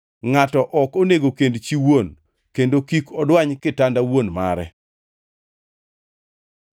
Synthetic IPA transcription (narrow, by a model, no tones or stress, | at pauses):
ŋatɔʔɔkoneɡokendt͡ʃiwon | kendokikɔdwaɲkɪtandawonma̰ɾɛ̰